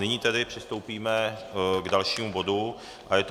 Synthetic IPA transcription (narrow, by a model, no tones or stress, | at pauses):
nɪɲiːt̪ɛdɪpr̥ɪst̪o̞wpiːmɛɡdalʃiːmubo̞du | ʔajɛt̪